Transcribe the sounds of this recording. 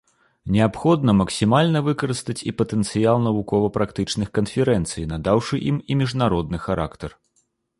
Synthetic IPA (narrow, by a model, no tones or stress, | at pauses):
nʲɛapxɔd̪nɐmɐksʲimalʲnɐvɨkɐɾɨst̪ɐt͡sʲḭpɐt̪ɛnt̪sɨjalˠnɐvukɔvɐpɾakt̪ɨt͡ʂnɨxkɐnfʲɛɾɛnt̪sɨjnad̪awʂɨʔimimʲiʐnaɾɔd̪nɨxaɾʔa̰kt̪ɐr